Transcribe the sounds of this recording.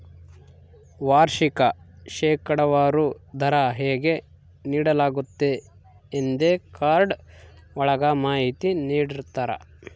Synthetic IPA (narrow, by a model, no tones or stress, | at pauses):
ʋaːɾʃikɐ | ʃɛːkɐɽɐʋaːɾud̪ʱɐɾɐɦeːɡe | niːɽɐlaːɡut̪ːeː | nd̪ekaːɾɖ | ɔɭɐɡamaːɦit̪iniːɽiɾt̪aːɾɐ̰